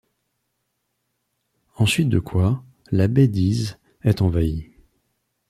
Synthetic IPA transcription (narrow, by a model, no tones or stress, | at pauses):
ɑ̃sɥit̪̚d̪əkʰwa | labɛd̪iz | ɛt̪ɑ̃vai